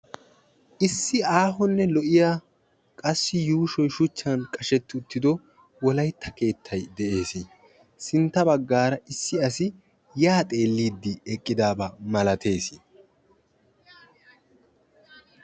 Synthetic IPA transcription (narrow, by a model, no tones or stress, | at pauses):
ʔɪsːɪaːɦɔnːɛlɔʔɪjaː | kʼɐsːɪjuːʃɔjʃʊt͡ʃːɐnkʼɐʃɛt̪ːɪʊt̪ːɪd̪ɔ | wɔlɐjt̪ʰːɐke̞ːt̪ʰːɐjd̪ɛʔe̞ːsɪ | sɪnt̪ːɐbɐɡːaːɾɐɪsːɪɐsɪ | jaːt̪ʼe̞ːlːiːd̪ːɪɛkʼːɪd̪aːbɐmɐlɐt̪ʰe̞ːsɪ